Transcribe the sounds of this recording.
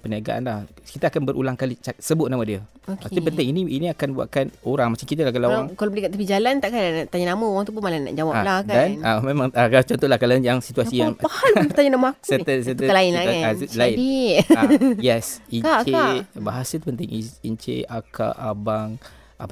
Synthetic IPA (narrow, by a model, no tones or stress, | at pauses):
pəniaɡa̰ʔa̰nlahkit̪əakanbəɾʔṵlaŋkalit͡ʃasəbʊt̪̚namədiəot̪əpənt̪ɪŋiniiniakanbua̰ʔ̪̚kanoɾaŋmat͡ʃamkit̪alahkalaaŋkalabəlikat̪əpid͡ʒalant̪aʔkaanʔt̪aɲanaməoɣaŋt̪up̬ʊmalana̰ʔd͡ʒawalakadanamẽmãŋakaat͡ʃɔnt̪ɔlahkalanjaŋsit̪uassijaŋpahalət̪aɲanamaaksuət̪əsət̪uəkalaɪnalaɪdi | jɛsinkat͡ʃeabaɦasət̪upənt̪̬ɪŋiint͡ʃḛaka̰ʔabaŋ | ʔa